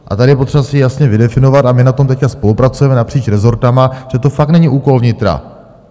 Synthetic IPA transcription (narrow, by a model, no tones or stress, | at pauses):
ʔa̰t̪adɪjɛpo̞t̪r̥ɛbasɪjasɲɛvɪdɛfɪno̞vat̪amɪnat̪o̞mt̪ɛckaspo̞lupɾat͡sujɛmɛnapr̝̥iːt͡ʃɾɛzo̞ɾt̪amaʒ̥ɛt̪o̞fak̚t̪nɛɲɪʔuːko̞lvɲɪt̪ɾa̰